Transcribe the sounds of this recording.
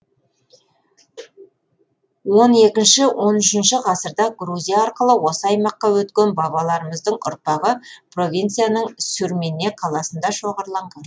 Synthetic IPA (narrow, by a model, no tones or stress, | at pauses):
wo̞ne̞kʲɪnʃɪwʔo̞nʏʃɪnʃɪqʰɑsəɾd̪ɑɡɾuzʲijɑɑɾqəlˠəwo̞səɑjmɑqːɑwɵt̪kʲe̞nbɑβɑlˠɑɾəməzd̪əɴʊ̰ɾpɑʁəpʰro̞vʲijnt̪sɨjanəɴsʏɾme̞nːe̞qʰɑlˠɑsənd̪ɑʃo̞ʁəɾlˠɑɴʁɑn